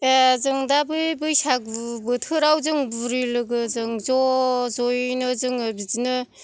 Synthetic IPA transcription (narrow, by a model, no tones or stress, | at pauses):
ezɯŋdabɯbɯjsak̚bubɯtʰɯɾawzɯŋbuɾilɯɡɯzɯŋzɔzɔjnɯzɯŋɯbizinɯ